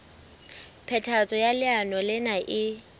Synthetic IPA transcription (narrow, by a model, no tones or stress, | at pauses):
pʰɛtʰat͡sʼɔjalɪanɔlɪnaʔɪ